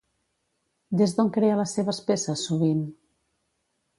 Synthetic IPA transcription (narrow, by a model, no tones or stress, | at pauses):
d̪ezðoŋkɾeələsːeβ̞əspesəsːuβ̞in